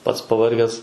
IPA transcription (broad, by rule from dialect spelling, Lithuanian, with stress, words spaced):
ˈpɐts pɐʋɐrʲˈɡʲɛs